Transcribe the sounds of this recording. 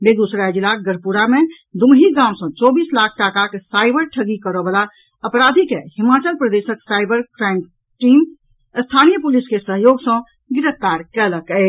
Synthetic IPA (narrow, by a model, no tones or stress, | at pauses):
bed̪usɾad͡ʒilaɡəɽpuɾame | d̪uɦiɡãʊ̃sə̃t͡ʃɔbislakʰʈakakesajbəɾʈʰəɡikəɾəbəla | əpɾad̪ʱikehimat͡ʃəlpɾəd̪esəksajbəɾkɾam | ʈim | əst̪ʰanijəpuliskesəɦjoɡsə̃ | ɡiɾət̪aɾkɛləkɛ